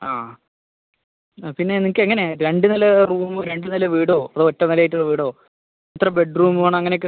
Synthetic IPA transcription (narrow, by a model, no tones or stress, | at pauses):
aː | pinːe̞nːikːɨeŋːɐneɾe̞ɳɖɨnɐlɐruːmɨɾe̞ɳɖɨnɐlɐʋiːɽoːɐðɨotːɐnɐljaːjʈːuɭːɐʋiːɽo̞ː | ɐt̪rɐbe̞ɖruːmɨaːɳɨɐŋːɐnek̬ːɨ